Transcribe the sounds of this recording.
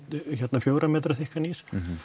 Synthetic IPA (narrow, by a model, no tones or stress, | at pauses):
çɛt̪nafjoːwɾamɛːt̪ɾaθɪhkaniːs